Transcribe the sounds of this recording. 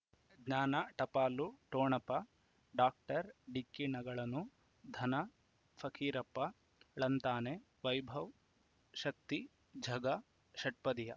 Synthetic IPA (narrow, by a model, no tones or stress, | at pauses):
ɡɲaːnaʈɐpaːluʈoːɳɐpɐ | ɖaːk̚ʈɐɾɖikːiɳɐɡɐɭɐnu | d̪ʱɐnɐ | fʰɐkʰiːɾɐpːɐ | ɭɐnt̪aːne | ʋɐjbʱɐw | ʃɐk̚t̪i | d͡ʒʱɐɡɐ | ʃɐʈ̚pɐd̪ijɐ